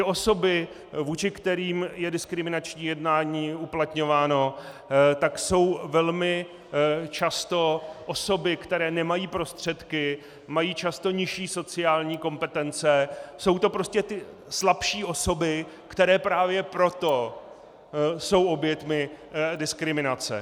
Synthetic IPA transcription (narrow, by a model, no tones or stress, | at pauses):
t̪ɪo̞so̞bɪ | vuːt͡ʃɪkt̪ɛɾiːmjɛdɪskɾɪmɪnat͡ʃɲiːjɛdnaːɲiːuplat̪ɲo̞vaːno̞ | t̪akso̞wvɛlmɪ | t͡ʃast̪o̞ʔo̞so̞bɪkt̪ɛɾɛːnɛmajiːpɾo̞st̪r̝̥ɛt̪kɪ | majiːt͡ʃast̪o̞ɲɪʃiːso̞t͡sɪaːlɲiːko̞mpɛt̪ɛnt͡sɛso̞wt̪o̞pɾo̞scɛt̪ɪ | slapʃiːʔo̞so̞bɪ | kt̪ɛɾɛːpɾaːvjɛpɾo̞t̪o̞ | so̞wʔo̞bjɛt̪mɪ | dɪskɾɪmɪnat͡sɛ̰